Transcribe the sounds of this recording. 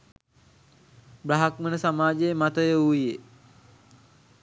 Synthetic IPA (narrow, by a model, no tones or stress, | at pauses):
bɾaɦakmənəsamaːd͡ʒejmat̪əjəuije